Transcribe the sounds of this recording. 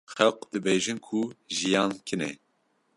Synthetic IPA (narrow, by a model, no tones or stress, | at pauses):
xɛlqd̪ɨbeːʒɨnkʰuʒijɑːnkʰɨnɛ̰